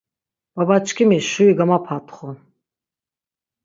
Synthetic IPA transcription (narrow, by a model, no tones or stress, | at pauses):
b̥abat͡ʃʰkʰimiʃuiɡamapʰat̪ʰχun